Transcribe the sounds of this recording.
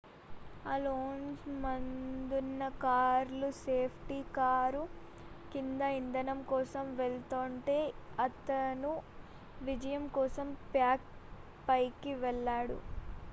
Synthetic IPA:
ɐloːnsmɐnd̪unːɐkaːɾluseːpʰʈikaːɾu | kind̪ɐind̪ɐnɐmkɔːsɐmʋeɭt̪oːɳʈe̞ːɐt̪ɐnu | ʋid͡ʒɐjɐmkɔːsɐmpjaːk | pɐjkiʋɛɭːaːɽṵ

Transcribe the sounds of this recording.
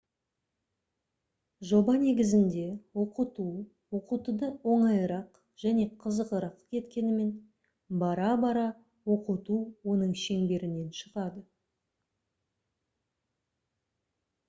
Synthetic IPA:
ʒo̞bɑne̞ɡʲɪzɪnd̪e̞wo̞qət̪u | wo̞qut̪ud̪əwo̞ɴɑjəɾɑq | ʒ̥æne̞qʰəzəqəɾɑqkʲʰe̞t̪kʲe̞nɪme̞n | bɑɾɑbɑɾɑ | wo̞qət̪uwo̞nəɴʃe̞ŋbe̞ɾɪne̞nʃəʁɑd̪ə

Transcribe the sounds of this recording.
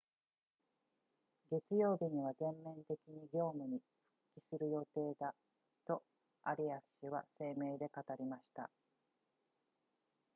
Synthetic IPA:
ɡe̞t͡sɨjo̞ːbʲiɲ̟iβ̞azẽ̞mːẽ̞nt̪e̞kʲiɲ̟iɡʲo̞ːmɯ̟ɲ̟i | ɸɯ̟̥kʲːisɨɾɯ̟jo̞t̪e̞ːd̪a | t̪o̞ | a̰ɾʲiasɨ̥ɕɨβa̰se̞ːme̞ːd̪e̞kat̪aɾʲimaɕi̥t̪a̰

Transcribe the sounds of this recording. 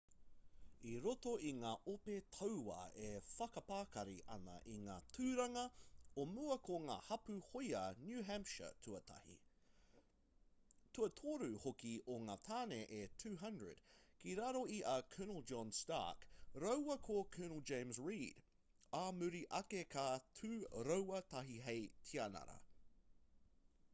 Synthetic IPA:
iɾot̪oiŋaːʔopet̪ʰɐwwɐ̰efɐkɐpaːkɐɾiʔɐ̰nɐ̰ʔiŋaːtʰʉːɾɐŋɐomuɐkʰoŋaːhɐpʉhojɐnjʉːɦæmpʃə̰tʰʉɐtʰɐ̰hḭ | tʰʉɐtʰoːɾʉhokioŋaːt̪ʰaːneʔetʰʉːɦɐndɹə̰d̥kiɾaɾoiʔɐkʰɜːnəl̩ˠd͡ʒɔnstɑ̰kɾowwɐkʰokʰɜːnəl̩ˠd͡ʒẽɪ̃msɹiːd | amʉɾiʔɐkekʰatʰʉːɾowɐt̪ʰɐɦiɦejtʰiɐnɐ̰ɾɐ̰

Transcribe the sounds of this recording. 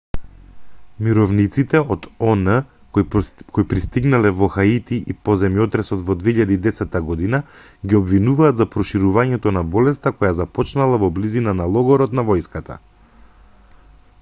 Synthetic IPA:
miɾɔvnit̪sit̪ɛɔt̪ɔnə | kʰoipɾist̪iɡnalɛvɔxait̪iʔipɔzɛmjɔt̪ɾɛsɔt̪vɔd̪veiʎad̪iːd̪ɛsɛt̪ːaɡɔd̪ina | ɡiɔbvinuvaːd̪zapɾɔʃiɾuvaɲɛt̪ɔnabɔlɛst̪akɔjazapɔt͡ʃnalˠavɔblizinanalˠɔɡɔɾɔt̪navɔjskat̪a̰

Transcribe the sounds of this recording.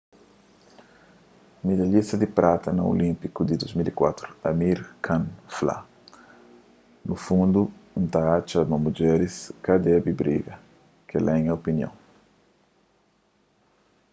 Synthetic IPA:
mid̪aʎist̪ɐd̪ipɾʔat̪ɐnɐo̰lĩmpikud̪id̪ozmilikwat̪ɾuɐmiɾkʰãnfla̰ | nufũnd̪unt̪at͡ʃamɐmud͡ʒɛɾiskad̪ɛbibɾḭɡɐ | kelʔɛŋɐopinjõ̰ŋ

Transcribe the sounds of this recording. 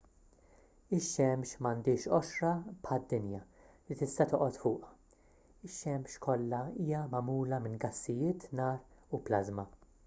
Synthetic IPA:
ɪʃːɛmʃmɐnd̪ɪːʃɔʃɾɐpħɐd̪ːɪnjɐ | lit̪ɪst̪ɐt̪ɔʔɔt̪fʊːʔɐ | ɪʃːɛmʃkʰɔlːɐiːjɐmɐmuːlɐmɪnɡɐsːɪjɪːt̪nɐːɾuplɐzmɐ

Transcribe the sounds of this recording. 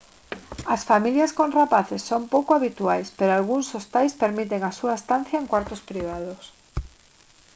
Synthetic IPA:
ɐsfamiljɐskonrapaθesːompowkoaβit̪uajspeɾoalɣuŋsost̪ajspeɾmit̪̬eŋasuaest̪an̟θjaẽŋkwaɾt̪ospɾiβ̞aðos

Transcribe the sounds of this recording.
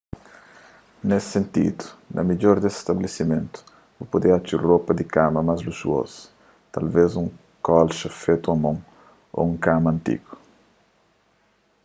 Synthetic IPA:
nessẽnt̪ḭd̪u̥nɐ̰miʎoɾd̪esst̪ɐblesimẽnt̪u̥ | vopod̪eat͡ʃuropɐd̪ikamɐmazlusṵo̰sɐ̥ | t̪ɐ̰lvezũŋ | kɔlʃɐfet̪uɐmõŋ | o̰ũŋkamɐ̃nt̪ḭɡu̥

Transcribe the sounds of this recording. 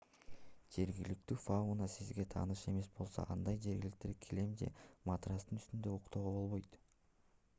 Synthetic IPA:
d͡ʒe̞ɾɡilik̚t̪yːfaunɑsizɡe̞t̪ʰɑ̰ːnɯʃe̞me̞sbo̞lˠso̞̰ʔɑnd̪ɑjd͡ʒe̞ɾɡʲilik̚t̪eɾkʲʰile̞md͡ʒe̞̰mat̪rast̪ɯnyst̪ynd̪ø̞uqt̪oʁobo̞lˠβo̞jt̪

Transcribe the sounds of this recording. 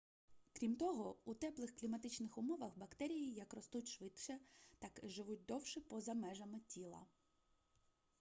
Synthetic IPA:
kɾʲimt̪ɔɦɔut̪ɛplˠɪxklʲimɐt̪ɪt͡ʃnɪxʊmɔʋɐxbɐkt̪ɛɾʲijijɐkrɔst̪utʲʃʋɪt̪t͡ʃɛt̪ɑkʒɪʋut̚ʲd̪ɔwʃɪpɔzɐmɛʒɐmɪtʲilˠɐ̰

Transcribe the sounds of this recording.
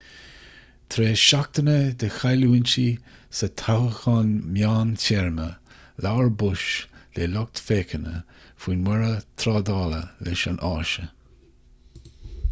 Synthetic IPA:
t̪ʰɾeːʃak̚t̪ənəd̪əxajluːɪnt͡ʃisət̪ʰahəxɑnmjaːntɛɹməlawɹbʊʃleːlɔk̚t̪feːkʰənə̰ | fwiːnwɛɹət̪ʰɾɑːd̪ɑːlə̰lɛʃanʔɑːʃə

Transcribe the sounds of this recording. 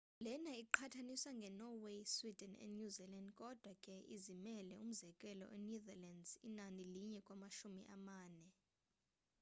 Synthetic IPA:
lɛnaiǃʰatʰaniswaŋɡʱɛnɔweswid̥ʱɛnɛ̰nɲuzilandkʼɔd̥ʱwakʼɛʔizimɛlɛum̩zɛkʼɛlɔ̰ʔɛnuðɛlandzḭnaniliɲɛkʼwamaʃumḭʔamaːnɛ

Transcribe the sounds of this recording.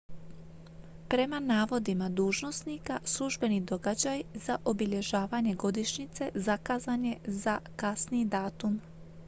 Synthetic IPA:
pɾe̞manaːʋo̞d̪imad̪uːʒno̞snikaslˠuʒbe̞nid̪o̞ɡad͡ʑajzaʔo̞biʎe̞ʒaːʋaɲeɡo̞d̪iʃɲit̪se̞zakaːzaɲe̞zakasniid̪aːt̪um

